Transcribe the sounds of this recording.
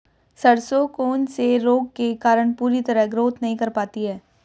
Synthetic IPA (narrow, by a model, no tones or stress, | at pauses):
sɐɽsokoːnseɾoːɡ̚kekaːɾəɽ̃puːɾit̪ɐɾəɦɡɾoːt̪ʰnɐɦĩkɐɾpaːt̪iɦɛː